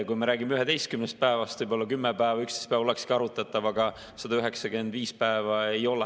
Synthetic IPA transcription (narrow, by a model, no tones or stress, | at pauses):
kujmeɾæːɡimeyɦed̪e̞jst̪kymnest̪̚pæevɑst̪vɯjbo̞lːɑkymːepæevɑykst̪e̥spæːvole̞kskiɑɾut̪ːˑɑt̪ːˑɑvɑɡ̥ɑ | sɑd̪ɑyɦe̞ksɑɡe̞nd̪viːspæevɑe̞jo̞lɛ